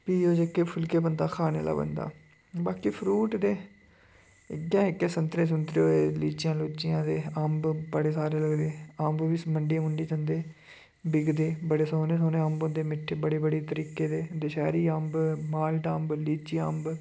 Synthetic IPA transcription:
piːoːd͡ʒekːeːpʰʊlkeːbənd̪aːkʰaːnḛːla̰ːbə̰nd̪a̰ː | baːkiːpʰɾuːʈd̪eː | ɪɡjãːɪkːeːsənt̪ɾeːs̬ʊnt̪ɾeoːeːliːt͡ʃɪjãːloːt͡ʃɪjãːd̪eːambbəɽeːsaːɾeːləɡd̪eːaːmbʋiːsməɳɖiʊɳɖiːd͡ʒənd̪eː | bɪɡd̪eːbəɽeːsoːneːsoːneːəmbõnd̪eːmɪʈʰːeːbəɽeːbəɽeːt̪əɾiːkeːd̪eːd̪eʃɛːɾiːəmbmaːlʈaːmbliːt͡ʃiːəmb

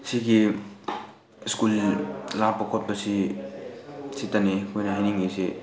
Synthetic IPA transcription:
siɡi | skullaɾpɐkʰɔt̚bɐsi | sitanikʰojnɐɦajniŋɡisi

